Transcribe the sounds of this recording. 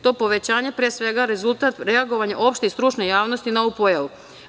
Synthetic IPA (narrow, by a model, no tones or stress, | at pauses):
t̪o̞po̞ʋet͡ɕaːɲepɾesʋe̞ɡaɾe̞zulˠt̪at̪ɾe̞aɡo̞ʋaɲaʔo̞pʃt̪ist̪ɾut͡ʃnejaːʋno̞st̪inaoupo̞jaʋu